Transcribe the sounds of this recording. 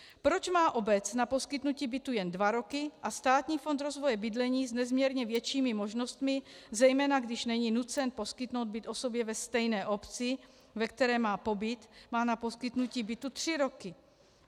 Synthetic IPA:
pɾo̞t͡ʃmaːʔo̞bɛt͡snapo̞skɪt̪nuciːbɪt̪ujɛndvaɾo̞kɪʔast̪aːt̪ɲiːfo̞nt̪ɾo̞zvo̞jɛbɪd̪lɛɲiːznɛzmɲɛɾɲɛvjɛt͡ʃiːmɪmo̞ʒno̞st̪mɪzɛjmɛːnaɡdɪʃnɛɲiːnut͡sɛnpo̞skɪt̪no̞wd̪̚bɪt̪ʔo̞so̞bjɛvɛst̪ɛjnɛːʔo̞pt͡sɪ | vɛk̚t̪ɛɾɛːmaːpo̞bɪt̪maːnapo̞skɪt̪nuciːbɪt̪ut̪r̝̥ɪɾo̞kɪ

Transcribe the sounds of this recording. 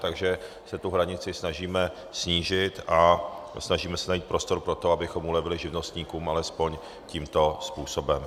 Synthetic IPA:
t̪aɡʒɛ | sɛt̪uɦɾaɲɪt͡sɪsnaʒiːmɛ | sɲiːʒɪt̪ʔasnaʒiːmɛsɛnajiːt̪̚pɾo̞st̪o̞ɾpɾot̪o̞abɪxo̞mʔulɛvɪlɪʒɪvno̞st̪ɲiːkuːmʔalɛspo̞ɲ | ciːmt̪o̞spuːso̞bɛm

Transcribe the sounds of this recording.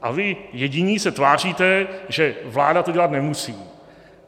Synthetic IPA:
ʔa̰vɪjɛɟɪɲiːsɛt̪vaːr̝iːt̪ɛʒɛvlaːdat̪oɟɛlat̪nɛmusiː

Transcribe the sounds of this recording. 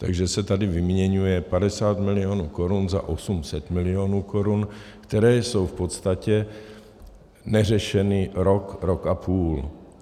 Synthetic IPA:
t̪a̰ɡʒɛsɛt̪adɪvɪmɲɛɲujɛpadɛsaːt̪mɪlɪjoːnuːko̞ɾunza̰ʔosumsɛt̪mɪlɪoːnuːko̞ɾunkt̪ɛɾɛːso̞wfpot̪st̪acɛ | nɛr̝ɛʃɛnɪɾokɾokʔapʰuːl

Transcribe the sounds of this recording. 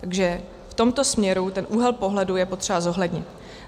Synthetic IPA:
t̪aɡʒɛ | ft̪o̞mt̪o̞smɲɛɾut̪ɛnʔuːɦɛlpo̞ɦlɛdujɛpo̞t̪r̝̥ɛbazo̞ɦlɛdɲɪt̪

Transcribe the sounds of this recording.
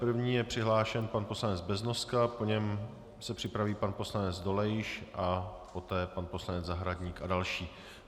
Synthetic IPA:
pr̩vɲiːjɛpr̝̥ɪɦlaːʃɛnpanposlanɛd͡zbɛzno̞skapo̞ɲɛm | sɛpr̝̥ɪpɾaviːpanpo̞slanɛd͡zdo̞lɛjɪʃʔa | po̞t̪ɛːpanpo̞slanɛd͡zzaɦɾadɲiːkadalʃiː

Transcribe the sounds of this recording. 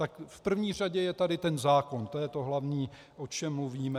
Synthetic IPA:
t̪akfpr̩vɲiːr̝aɟɛjɛt̪adɪt̪ɛnzaːko̞nt̪ojɛt̪o̞ɦlavɲiː | ʔo̞t͡ʃɛmːluviːmɛ

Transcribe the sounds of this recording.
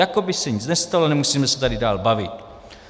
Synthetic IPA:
jako̞bɪsɛɲɪt͡snɛst̪alonɛmusiːmɛsɛ̥t̪adɪdaːlbavɪt̪

